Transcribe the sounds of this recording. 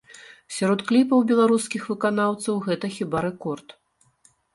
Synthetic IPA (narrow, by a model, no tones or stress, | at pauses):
sʲaɾɔt̪klʲipɐwbʲɛlˠaɾuskʲixvɨkanawt̪sɐwɣɛt̪ɐxʲibaɾɛkɔrt̪